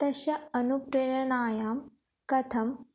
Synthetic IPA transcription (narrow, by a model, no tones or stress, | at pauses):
t̪ɐɕɐɐnupɾeɾɐnaːjaːm | kɐt̪ʰɐm